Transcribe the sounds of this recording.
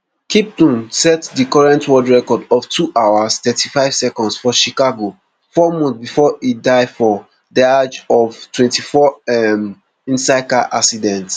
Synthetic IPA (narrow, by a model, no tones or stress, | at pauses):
kʰip̚tũnsɛtdikɔɹɛ̃ntwɔdɹɛkɔdɔv̥tʰuʔawastɛtʰifaɪv̥sɛkɔ̃ndsfɔʃikaɡo | fɔmɔ̃nbifɔidaɪfɔ | diad͡ʒɔvtwɛ̃ntifɔɛm | ĩnsaɪkaʔasidɛ̃nts